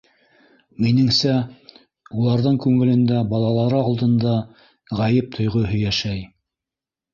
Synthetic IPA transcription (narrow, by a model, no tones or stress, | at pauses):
minɘ̆ŋsæ | ulˠɑɾðɤɴkʉŋɘ̆lɘ̆nd̪æbɑlˠɑlˠɑɾɤɑlˠd̪ɤ̆nd̪ɑ | ʁæjɘp̚t̪ʰŏjʁɤɦɵ̆jæʃæj